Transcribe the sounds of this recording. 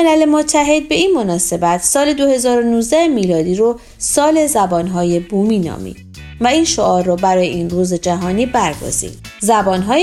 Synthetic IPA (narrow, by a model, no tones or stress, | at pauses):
elæle̞mot̪ʰːæɦe̞d̪̚be̞iːnmo̞nɒːse̞bæt̪ʰsɒːle̞d̪ohe̞zɒːɾonuːzd̪æemiːlɒːd̪iːɾo | sɒːle̞zæbɒːnɦɒːje̞buːmiːnɒ̰ːmḭd̪̥ | væinʃoʔɒːɾːɔbæɾɒːjeinruːzed͡ʒæɦɒːniːbæɾɡo̞̰z̥ḭd̪̥zæbɒːnɦɒː